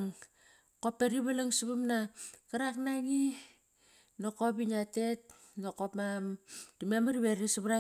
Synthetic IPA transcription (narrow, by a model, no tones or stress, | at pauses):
ŋ | kopːeɾiβalaŋsuβamnakaɾaknaŋi | nokop̬iɲatet̚ | nokopmamtumemaɾiβeɾisuβɾa